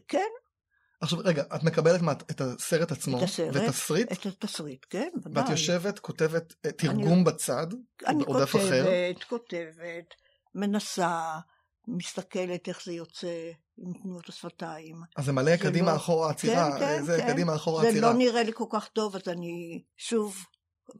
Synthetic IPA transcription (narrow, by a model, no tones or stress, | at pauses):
ken | ʔaχʃavʁeɡaʔatme̞kabeletmatetaseʁetat͡smosevetsʁietat̪asʁit̪kenvadveatjoʃe̞vetkʰo̞tevettːiʁniɡumbat͡sada̰nikdafaeeʁet̪ko̞te̞vet | me̞nasa | mist̪ake̞lete̞χzejot͡se | imtnujutasfataimazːemalekadimaːχoʁaːt͡siʁaezekadimaːχoʁazeiloniʁeliko̞lkaχto̞vazani | ʃuv